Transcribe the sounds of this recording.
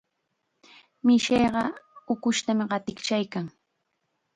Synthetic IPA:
mɪʃejɢɑʊkʊʃt̪amɪɢɑt̪ɪkt͡ʃajkaŋ

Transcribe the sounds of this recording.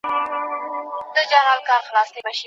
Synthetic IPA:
d̪̥əd͡ʒaɾɑlkɑɾxlɑsd̪ebaʃi

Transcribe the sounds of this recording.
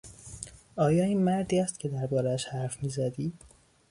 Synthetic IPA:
ʔɒːjɒːiːnmæɾd̪iːæst̪cʰe̞d̪æɾbɒːɾææʃhæɾfmiːzæd̪iː

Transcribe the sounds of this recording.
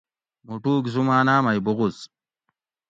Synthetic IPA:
muʈuːkzumaːnaːmajbuɣus

